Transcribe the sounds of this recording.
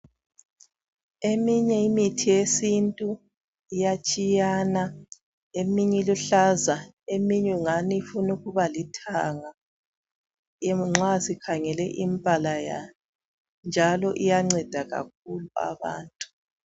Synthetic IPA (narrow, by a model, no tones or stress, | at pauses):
emiɲɛimitʰijesintʼu | ijat͡ʃʼijana | emiɲɛluɬaza | emiɲɛŋanifunuɣuβalitʰaŋa | jemuŋ͡ǁasikʰaŋɛlɛʔimpʼalaja̰nɔ | nd͡ʒʱalɔʔijaŋ͡ǀɛd̥ʱaɣa̰k̚ulua̰βa̰ːntʼu̥